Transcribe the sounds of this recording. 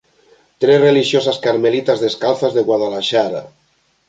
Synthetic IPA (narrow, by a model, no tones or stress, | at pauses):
t̪ɾezreliʃjosaskaɾmelit̪azðeskalθazðeɣwaðalaʃaɾa̰